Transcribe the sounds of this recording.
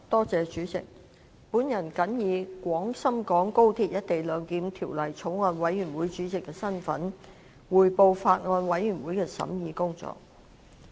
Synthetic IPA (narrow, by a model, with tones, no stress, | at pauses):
t̪ɔː˥t͡sɛː˨˧t͡ʃyː˨˥t͡sɪ̰˨k̚ | puː˨˥njɐ˨˩nkɐ˨˥njiː˨˧kʷwɔː˨˥ŋsɐ˥mkɔː˨˥ŋko˥wt̪ʰiː˧t̚jɐ˥t̚t̪e˨jlœː˨˧ŋkiː˨˥mt̪ʰiː˨˩wlɐ˨˩jt͡sʰo˨˥wŋɔː˧nwɐ˨˧˥jɥyː˨˩nwuː˨˥jt͡ʃyː˨˥t͡sɪ˨kːɛː˧sɐ˥nfɐ̰˨˥n | wuː˨˩jpo˧wfaː˧t̚ŋɔː˧nwɐ˨˥jɥyː˨˩nwuː˨˥jkɛː˧sɐ̰˨˥mjiː˨˧kʊ˥ŋt͡sɔ̰ː˨k̚